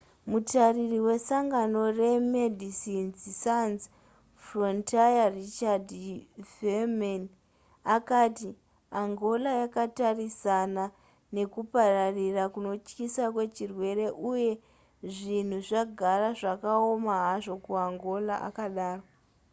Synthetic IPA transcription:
mutaririwe̞saŋɡano̞re̞medʱisinzsanz | frontajarit͡ʃadfeman | akati | aŋɡo̞lajakatarisana | ne̞kupararirakuno̞t͡ʃkisakwe̞t͡ʃirwe̞ɾe̞ʔuje̞ | ʐin̤uʐaɡʱaraʐakao̞maɦaʐo̞kuaŋɡo̞laʔa̰kaɗaːro

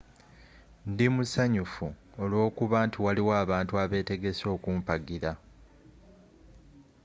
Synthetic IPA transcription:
ndimusaɲufu | olwo̞ːkuβaːntʰiwaliwaːβaːntuaβe̞ːte̞ɡe̞so̞ːkuːmpaɡiɾa

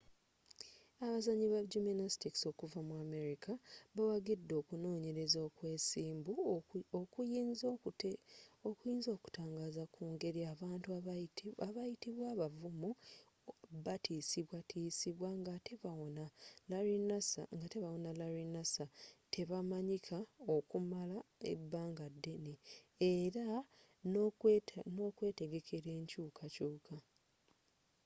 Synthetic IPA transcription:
aβazaɲiβaɟuminastikso̞kuvamwuame̞ɾikʰaβawaɡidːo̞ːkuno̞ːɲe̞ɾe̞zoːkwe̞ːsiːmbuokujinz | okujiːnzo̞ːku̥taːŋɡaːzakuːŋɡe̞ɾiaβaːntuaβajitiβwaːβavumu | βatʰiːsiβwatʰiːsiβwaŋɡate̞βawonalaɾinasa̰ŋɡate̞βawo̞nalaɾinasatʰe̞βamaɲikʰao̞kumalae̞̰bːaːŋɡadːe̞ne | eɾa | no̞ːkwe̞ːte̞ɡe̞kʰe̞ɾe̞ːɲcuːkʰacuːkʰa

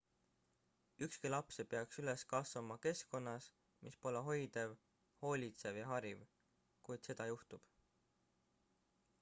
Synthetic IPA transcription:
ykskilɑpsepe̞ɑksyleskɑsvɑmɑke̞sko̞nːɑs | mispo̞leɦo̞jd̪̥ev | ho̞ːlʲit̪se̞vjɑɦɑɾiv | kujd̪̥se̞d̪̥ɑjuht̪ub̥

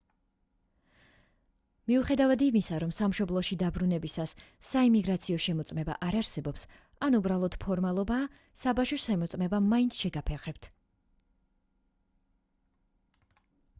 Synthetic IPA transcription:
miuχɛd̪avad̪imisaɾɔmsamʃɔblˠɔʃid̪abɾunɛbisasː | aimiɡɾat̪sʰiɔʃɛmɔt̪sʼmɛba̰ʔaɾaɾsɛbɔps | anubɾalˠɔd̪̥pʰɔɾmalˠɔbaː | sabaʃɔʃɛmɔt̪sʼmɛbamaint̪sʰʃɛɡapʰɛɾχɛb̚t̪ʰ

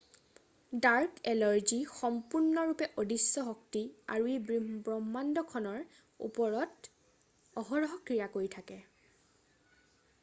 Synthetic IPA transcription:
daɹkɛlɔɹzixɔmpuɹnɔɹupɛʔodisːɔɦɔktia̰ɹuebbɹɔmːandɔkʰɔnɔɹ | ṵpɔɹɔt | ɔɦɔɹɔɦɔkɹijakoɹitʰakɛ

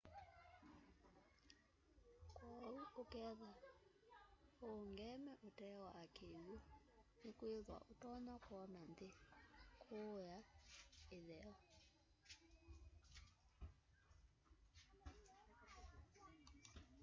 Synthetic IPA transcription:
kwɔuokɛða | oŋɡɛmɛʔotɛwaːkʰeju | nekweðwa̰ʔotɔɲakwɔnand̪ekʰojaeðɛɔ

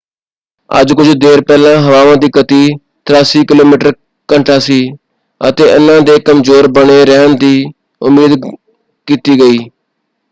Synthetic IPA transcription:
ə̰d͡ʒkʊd͡ʒd̪eːɾpɛːlãːɦəʋaːʋãːd̪iːkət̪iː | t̪əɾaːsiːkɪloːmiːʈəɾ | kəɳʈʰaːsiː | ət̪eːʔənãːd̪eːkəmzoːɾbəɳeːɾɛːnd̪iː | ʊ̰meːd̪ | kiːt̪iːɡəiː

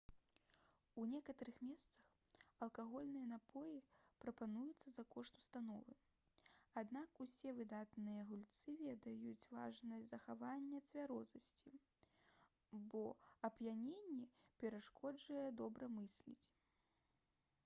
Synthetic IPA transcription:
unʲɛkɐt̪ɐɾɨxmʲɛst̪sɐx | ɐlˠkaɣɔlʲnɨjɐnapɔjipɾɐpanujut̪sːɐzɐkɔʂt̪u̥st̪anɔvɨ | ad̪nakusʲɛvɨd̪at̪nɨjɐɣulʲt̪sɨvʲɛd̪ɐjut͡sʲva̰ʐnɐjʲzɐxavanʲːɐt̪svʲaɾɔzɐsʲt͡sʲi | bɔɐbjanʲenʲːipʲɛɾaʂkʰɔd͡ʐɐjɛd̪ɔbɾɐmɨsʲlʲḭt͡sʲ

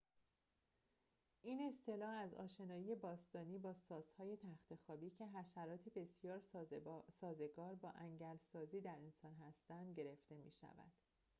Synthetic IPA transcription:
ʔiːne̞st̪ʰe̞lɒːhæzɒ̰ːʃe̞nɒːije̞bɒːst̪ɒːniːbɒːsɒːzhɒːje̞t̪ʰæxt̪ʰe̞xɒːbiːcʰe̞ɦæʃæɾɒːt̪ʰebe̞sjɒːɾ | sɒːze̞ɡɒːɾbɒːʔæŋɟælsɒːziːd̪æɾe̞nsɒːnɦæst̪ænd̪ɟe̞ɾe̞ft̪e̞mḭːʃæ̰væ̰d̪̥

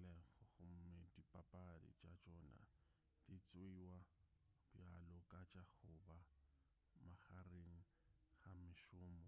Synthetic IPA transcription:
lɛɣʊχʊm̩medipʼapʼadɪ̰t͡ʃʼat͡ʃʼɔːna̰ | d̥it͡sʼwiwabjalɔkʼat͡ʃʼaχʊba | maχareŋ̩ | χamɪʃʊːmɔ

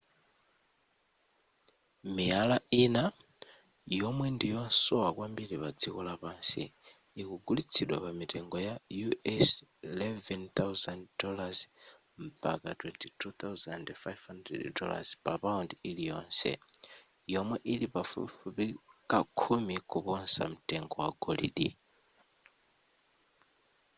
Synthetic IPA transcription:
mialaina | jɔmwɛndijɔnsɔwakwambiɾipad͡zikɔlapaːnsḭː | kuɡulit͡sʰiɗwapamitɛŋɡɔjajuɛs | ilɛvɛnt̪awzanddɔlaz | mpa̰katwɛntʰitʰut̪awzandfajvhandrɛ̰ddɔla̰zpapaundilijɔːnsɛ̰ | jɔmwɛʔilipafṵfupikakʰumikʰupɔnsa̰m̩tʼɛŋɡɔwaɡɔlḭɗḭ

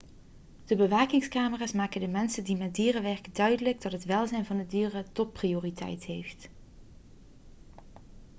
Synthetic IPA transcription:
d̥əbəʋaːkɪŋskaːməraːsmaːkəndəmɛnsədimɛt̚diːrəʋɛɹkədœɥdələɡ̚dɑtɦətʋɛlˠzɛjnvɑndədiːrətɔt̚prijoːritɛ̰jtɦejft

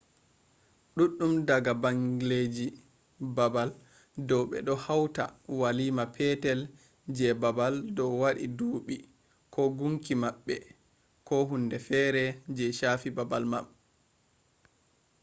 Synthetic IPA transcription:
ɗuɗːumdaɡabaŋɡiled͡ʒi | babal | dɔwɓɛ̰ɗɔhawta̰walimapʰɛtɛl | d͡ʒɛbabaldɔwaɗiduɓi | kʰɔɡuŋkimaɓːɛ | kɔɦundɛfɛɾɛd͡ʒɛʃafibabalma̰m

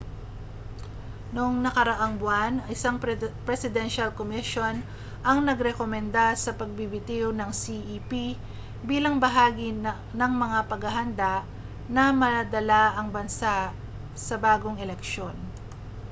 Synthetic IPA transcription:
nʊŋnɐkɐɾɐʔaŋbwanɐɪsaŋpɾɛsɪd̪ɛnʃalkomɪʃo̞n | ʔɐŋnɐɡɾɛkomɛnd̪asɐpɐɡ̚bibɪt̪ɪwnɐŋsiʔipi | biːlɐŋbɐɦaːɡi | nɐŋmɐŋapɐɡɐɦɐnd̪aʔ | nɐmɐad̪ɐlaʔɐŋbɐnsaʔ | sɐbaːɡoŋɛlɛkʃo̞n

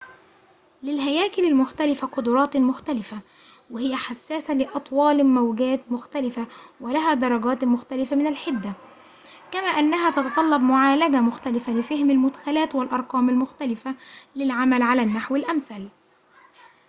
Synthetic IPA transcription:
lɪlɦæjæːkɪlɪlmʊxt̪ælɪfaqʊd̪ʊɾˤɑːt̪mʊxt̪ælɪfa | wɪhɪjæħasːæːsalɪʔɑt̪ˤwɑːlmæwɡæːt̪mʊxt̪ælɪfawɪlæɦæːd̪ɑɾˤɑɡæːt̪mʊxt̪ælɪfamɪnalħɪd̪ːæ | kæmæːʔanːæɦæt̪ɑt̪ɑt̪ˤɑlːɑbmʊʕaːlæɡamʊxt̪ælɪfalɪfɪhmɪlmʊd̪xælæːt̪wɪlʔɑɾˤqɑːmɪlmʊxt̪ælɪfalɪlʕamælʕalæːnːaħwɪlʔamθæːl

